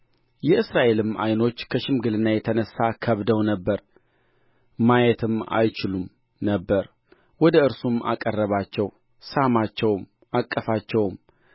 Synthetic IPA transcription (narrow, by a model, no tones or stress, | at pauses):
jɛʔɨsɾaʔe̞lɨma̰jno̞t͡ʃːkʰəʃɪmɡɨlɨnːajɛt̪ʰənəsːakʰəβd̪əwnəbːəɾ | majɛt̪ʰɨma̰jt͡ʃɪlum | nəbːəɾ | wɔd̪əɨɾsumʔa̰kʼərːəβat͡ʃːɛw | samat͡ʃːɛwm | akʼːəfat͡ʃːɛwm